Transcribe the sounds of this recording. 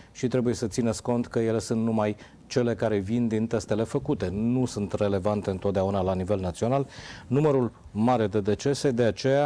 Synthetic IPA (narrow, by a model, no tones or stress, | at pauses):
ʃit̪ɾebuje̞sət̪sinet̪sʲko̞nt̪kəje̞le̞sunt̪numaj | t͡ʃe̞le̞kaɾe̞vind̪int̪e̞st̪e̞le̞fəkut̪e̞nusunt̪re̞le̞vant̪e̞ɨnt̪ot̪̚d̪eaunalanive̞lnat̪sio̞nalnuməɾul | maɾe̞d̪e̞d̪e̞t͡ʃe̞se̞d̪e̞at͡ʃe̞ja